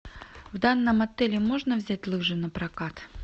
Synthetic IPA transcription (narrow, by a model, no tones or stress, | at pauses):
vd̪anːəmɐt̪ɛlʲɪmo̞ʐnəvzʲætʲlˠɨʐɨnəpɾɐkat̪